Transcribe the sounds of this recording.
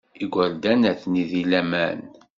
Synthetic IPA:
iɡʷæld̪ænæθniðilæmæn

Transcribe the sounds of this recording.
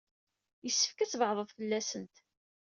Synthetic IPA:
jəsːə̥fkæt͡sːvəʕðˤəðˤfəlːæsənt̪

